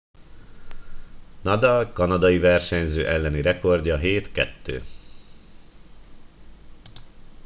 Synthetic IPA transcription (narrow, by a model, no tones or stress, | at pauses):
nɒd̪ɒlkɒnɒd̪ɒjivɛrʃɛɲzøːʔɛlːɛniɾɛko̞rɟɒɦeːt̪kɛt̪ːø̰ː